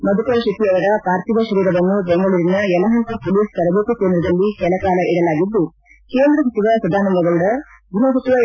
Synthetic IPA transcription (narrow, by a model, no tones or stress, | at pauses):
mɐd̪ukɐɾɐʃɐt̪iɐʋɐɽɐpaːɾt̪iʋɐʃɐɾiːɾɐʋɐnːubɛŋɡɐɭuɾinːɐjɛlɐɦɐŋk̪ɐpoliːsk̪ɐɾɐbekukeːnd̪ɾɐd̪ɐlːikɛlɐkaːlɐʔiɽɐlaːɡid̪ːu | keːnd̪ɾɐsɐt̪iʋɐsɐd̪ʱaːnɐmɡɐɡɐɭuɽɐɡʱinɐsɐt̪iʋɐ